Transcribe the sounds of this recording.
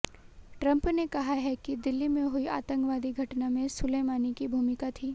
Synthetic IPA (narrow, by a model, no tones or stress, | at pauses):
ʈɾɐ̃mpnekɐɦaɦɛkid̪ɪlːimẽɦʊiʔa̰ːt̪ə̃ŋkʋaːd̪iɡʱɐʈnamẽsʊleːmaːnikibʱuːmɪkat̪ʰiː